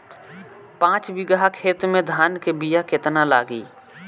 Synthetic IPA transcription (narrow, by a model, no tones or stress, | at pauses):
pãːt͡ʃbɪɡəɦakʰeːt̪mẽd̪ʱaːnkebijakɪt̪nalaːɡiː